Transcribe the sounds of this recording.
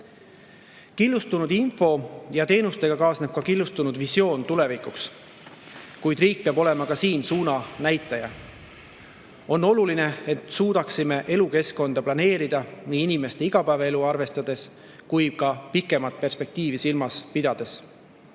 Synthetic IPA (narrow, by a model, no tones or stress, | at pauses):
kilːust̪unud̪info̞jɑt̪e̞ːnust̪e̞ɡ̥ɑkɑːsne̞b̥̚kɑkilːust̪unud̪visjo̞ːnt̪ule̞vikˑuks | kujd̪riːk̚peɑbo̞le̞mɑkɑsiːnsuːnɑnæjt̪ːˑɑjɑ | o̞nːo̞luline̞et̪ːˑsuːd̪̥ɑksime̞ʔe̞luke̞sko̞nd̪̥ɑplɑne̞ːɾid̪̥ɑniːinime̞st̪e̞iɡ̥ɑpæːvee̞luɑrve̞st̪ɑd̪̥e̞s | kuj̚kɑpikːˑe̞mɑt̪̚ˑpe̞rspe̞k̚t̪iːvisilmɑspid̪̥ɑd̪̥e̞s